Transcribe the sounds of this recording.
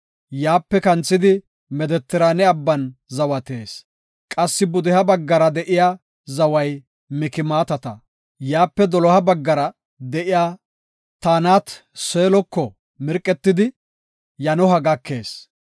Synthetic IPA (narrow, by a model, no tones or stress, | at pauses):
jaːpːɛkɐnt͡sːɪd̪ɪ | mɛd̪ɛt̪ːɪɾaːnɛɐbːɐnzɐwɐt̪e̞ːs | kʼɐsːɪbʊd̪ɛhɐbɐɡːɐɾɐd̪ɛʔɪja | zɐwɐj | mɪkɪmaːt̪ɐt̪ɐ | jaːpːɛd̪ɔlɔhɐbɐɡːɐɾɐ | d̪ɛʔɪjaː | t̪aːnaːt̪seːlɔkːɔ | mɪɾkʼːɛt̪ːɪd̪ɪ | jɐnɔɦɐɡɐkːe̞̰ːs